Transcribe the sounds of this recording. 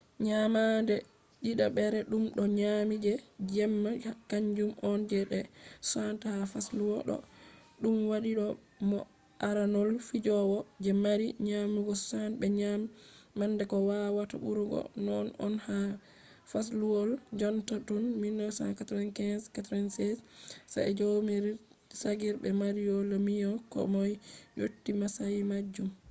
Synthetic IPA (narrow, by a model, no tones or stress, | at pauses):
ɲamandɛ | ɗiɗaɓɛɾɛɗumɗɔɲamid͡ʒɛd͡ʒɛmːakaɲd͡ʒumʔɔnd͡ʒɛɗɛsantahafasluwɔɗɔ̰ | ɗumwaɗiɗɔ | mɔ | ʔaɾanɔlfid͡ʒɔwɔd͡ʒɛmaɾiɲamuɡɔsanbɛɲamːanːdɛkɔwawata̰ɓuɾuɡɔ̰nɔnɔnha | fas̬luwɔld͡ʒɔntatunminːɔsa̰nkatɾɔnkɛnskatɾɔnsɛssa̰ɛd͡ʒomiɾ | saɡiɾbɛmaɾijɔlamijɔkɔ̰mɔjɲo̰tːimasajmad͡ʒːum